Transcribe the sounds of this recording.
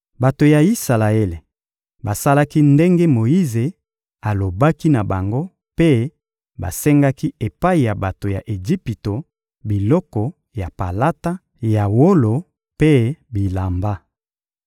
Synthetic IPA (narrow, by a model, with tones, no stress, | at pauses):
ba˨to˨ja˨i˦sa˨la˨e˦le˨ | ba˨sa˦la˦ki˦nde˦ŋɡe˦mo˨ji˦ze˨ | a˨lo˨ba˦ki˦na˨ba˨ŋɡo˦ | pe˦ | ba̰˨sɛ˦ŋɡa˦ki˦e˨pa˦i˨ja˨ba˨to˨ja̰˨ʔe˨d͡ʒi˦pi˨to˨ | bi˨lɔ˦kɔ˨ | ja˨pa̰˨la˦ta˦ | ja˨wo˦lo˨ | pe˦bi˨la˨mba˦